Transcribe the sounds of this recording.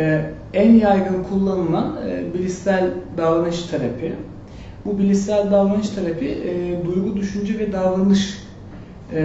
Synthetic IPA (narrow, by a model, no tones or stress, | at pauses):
ænjajɡɯnkʰulˠːanɯlˠanɯːbilʲisælʲd̪avlanɯʃt̪ʰaɾapʰi | bubilʲisælʲd̪avlanɯʃt̪ʰaɾapʰid̪ujɡud̪yʃynd͡ʒɛvɛd̪avɾˠanɯʃ